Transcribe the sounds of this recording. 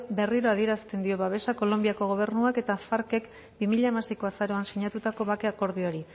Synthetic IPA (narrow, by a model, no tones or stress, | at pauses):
be̞riɾo̞að̞ie̞ɾast̪e̞nd̪io̞βaβe̞sako̞lo̞mbiako̞ɣ̞o̞β̞e̞rnuake̞t̪afaɾke̞k | bimiʎaemasiko̞asaɾo̞ansiɲat̪ut̪ako̞βakeako̞ɾð̞io̞ɾi